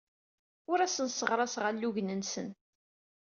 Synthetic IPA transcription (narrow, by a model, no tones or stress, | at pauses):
ʊɾæsənsəʁɾˤɑsʁalːuʝnənsən